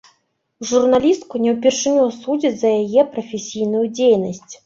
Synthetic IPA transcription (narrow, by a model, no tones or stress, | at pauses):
uʐurnalʲist̪̚kunʲɛwpʲɛrʂɨnʲusud͡zʲit͡sʲzɐjajɛpɾɐfʲɛsʲijnʊjud͡zʲejnɐsʲt͡sʲ